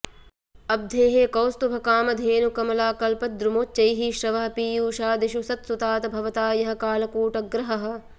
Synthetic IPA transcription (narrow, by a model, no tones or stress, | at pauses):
ɐb̚d̪ʱeːɦeːkɐwst̪ubʱɐkaːmɐd̪ʱeːnukɐmɐlaːkɐlpɐd̪ɾumoːt̪̚t͡ʃɐjɦiʃɾɐʋɐɦɐ̆piːjuːʃaːd̪iʃusɐt̪sut̪aːt̪ɐbʱɐʋɐt̪aːjɐɦɐ̆kaːlɐkuːʈɐɡɾɐɦɐɦɐ̆